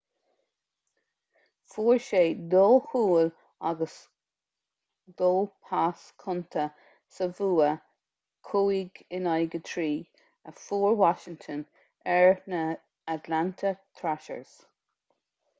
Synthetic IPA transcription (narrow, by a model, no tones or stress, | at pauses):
fuːɹʃeːd̪oːhuːl | aɡəs | d̪̥oːpʰaskʰʊnt̪ʰə | səvuːə | kʰuːiɡɪnajɡət̪ʰɹiː | əfuːɹwaʃɪŋt̪ʰən | ɛɹnə | at̪lant̪ʰət̪ʰɹaʃə̰ɹz̥